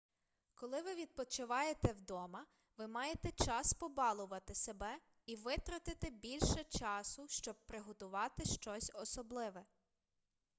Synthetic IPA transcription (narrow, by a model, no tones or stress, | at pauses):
kɔlˠɪʋɪʋʲid̪̚pɔt͡ʃʊʋɑjet̪ɛwd̪ɔmɐ | ʋɪmɑjet̪ɛt͡ʃɑspɔbɑlˠʊʋɐt̪ɪsebɛ | iʋɪt̪ɾɐt̪ɪt̪ɪbʲilʲʃɛt͡ʃɑsʊʃt͡ʃɔb̚pɾɪɦɔt̪ʊʋɑt̪ɪʃt͡ʃɔsʲɔsɔblˠɪʋɛ